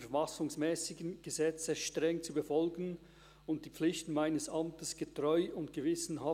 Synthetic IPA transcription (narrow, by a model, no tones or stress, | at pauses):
fɛfasʊŋsmɛːsɪɡn̩ɡ̥əzɛt͡səʃtʁɛŋt͡subəfɔlɡn̩ | ʊnt̚d̥iːp͡flɪçtn̩maɪnəsɑmtəsɡ̥ətʁɔʏʊntɡ̥əvɪsn̩ɦa